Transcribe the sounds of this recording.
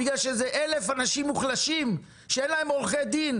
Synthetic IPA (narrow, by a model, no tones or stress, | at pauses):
iɡlalʃezeʔelefanaʃimːuχlaʃim | ʃeenlae̞molχed̪in